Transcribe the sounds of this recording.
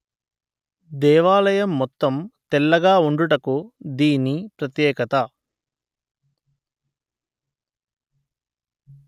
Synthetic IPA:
d̪ɛːʋaːlɐjɐmːɔt̪ːɐmt̪ɛlːɐɡaːuɳɖuʈɐkud̪iːnipɾɐt̪jɛːkɐt̪ɐ

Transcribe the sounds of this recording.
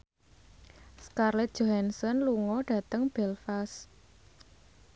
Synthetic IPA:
skarlɛt̪̚dʒ̥o̤hɛnsɔnluŋɔɖ̥a̤t̪əŋb̥ɛlfas

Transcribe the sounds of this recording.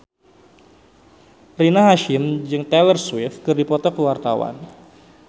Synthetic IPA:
rinaɦaʃɪmd͡ʒɨŋt̪ɛlərswɪfkɨrdipɔt̪ɔkəwart̪awa̰n

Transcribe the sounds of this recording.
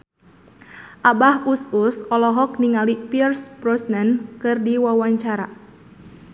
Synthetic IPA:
ʔabahususɔlɔɦɔk̚niŋalipirspɾɔsnɛnkɨrdiwawaɲt͡ʃaɾa

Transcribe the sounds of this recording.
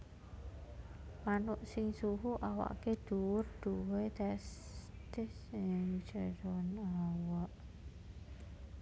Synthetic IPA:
manʊʔsɪŋsuɦuʔawa̰ʔked̪̥uwʊrd̪̥uwet̪ɛs | t̪ɪsŋi̥t͡ʃaɾɔnawaʔ

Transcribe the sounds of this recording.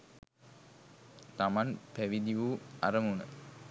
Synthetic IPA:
t̪amanpæʋid̪iʋua̰ɾəmunə̰

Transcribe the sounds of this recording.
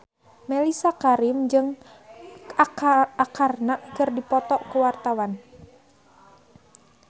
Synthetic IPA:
mɛlisakaɾimd͡ʒɨŋ | karnaʔkɨrdipɔt̪ɔʔkuwart̪awan

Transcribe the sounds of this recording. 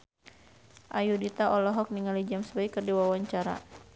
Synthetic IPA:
ʔajudit̪aʔɔlɔɦɔk̚niŋalid͡ʒamsəbaikːərdiwawaɲt͡ʃaɾa̰

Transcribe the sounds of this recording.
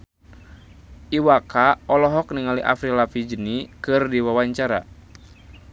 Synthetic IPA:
ʔiwakaɔlɔɦɔk̚niŋaliʔa̰fɾilafid͡ʒənikɨrdiwawaɲt͡ʃaɾa̰

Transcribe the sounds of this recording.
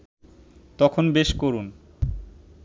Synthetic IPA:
t̪ɔkʰonbeʃkoɾun

